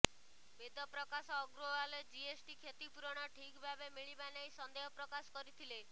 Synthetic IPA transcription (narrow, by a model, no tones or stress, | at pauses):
bʱed̪ɔpɾɔkasɔːɡɾoɦaled͡ʒiesʈikʰet̪ipuɾɔɽ̃ɔʈʰikbʱabemiɭibanejsɔnd̪eɦɔpɾɔkasɔ̥kɔɾit̪ʰile